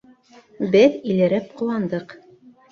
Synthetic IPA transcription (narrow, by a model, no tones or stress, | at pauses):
bɘðilɘ̆ɾɘp̚qŏlˠɑnd̪ɤq